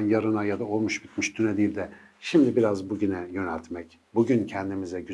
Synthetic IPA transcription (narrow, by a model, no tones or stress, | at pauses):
njaɾɯnajad̪ao̞lˠmuʃbit̪miʃd̪ʰynɛd̪ilʲd̪ɛ | ʃimd̪ibiɾazbuɟynɛjø̞nælʲt̪ʰmɛc | buɟyncʰɛnd̪imizɛɟy